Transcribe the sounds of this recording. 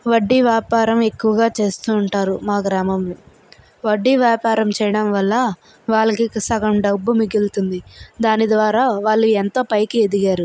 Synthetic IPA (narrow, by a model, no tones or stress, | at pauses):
ʋɐɖːiʋjaːpaːɾɐme̞kːuʋɐɡaːt͡ʃe̞ːst̪uːɳʈaːɾumaːɡɾaːmɐmːi | ʋɐɖːiʋjaːpaːɾɐmt͡ʃɛjɐɽɐmʋɐlːɐ | ʋaːɭɐkiksɐɡɐmɖɐbːumiɡilt̪und̪id̪aːnid̪ʋaːɾaːʋaːɭːuent̪oːpɐjkie̞d̪iɡaːɾu